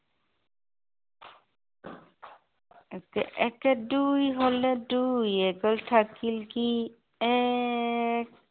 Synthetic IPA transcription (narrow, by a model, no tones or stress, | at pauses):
kɛʔɛkɛdujɦɔledujɛɡɔltʰakilki | ɛ | k̚